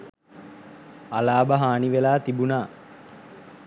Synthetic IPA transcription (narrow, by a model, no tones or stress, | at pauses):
alaːbəɦaːniʋelaːt̪ibunaː